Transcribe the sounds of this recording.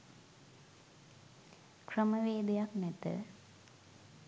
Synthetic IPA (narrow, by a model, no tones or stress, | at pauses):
kʰrɐmɐʋeːd̪ɐjaknet̪ːɨ̰